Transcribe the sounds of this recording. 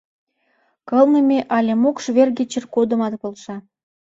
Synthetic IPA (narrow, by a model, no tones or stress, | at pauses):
kɤ̆lˠnə̆mʲeʔɑlʲemukʃβʲerɡʲet͡ɕə̆rkod̪ə̆mɑd̪polˠʃɑ